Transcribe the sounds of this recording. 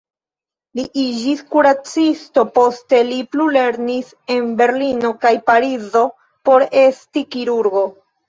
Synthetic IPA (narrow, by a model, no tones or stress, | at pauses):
liʔid͡ʒiskuɾat͡sisto̞po̞ste̞liplule̞ɾnis | e̞nbe̞ɾlinokajpaɾizo̞ | po̞ɾe̞stikiɾuɾɡo̞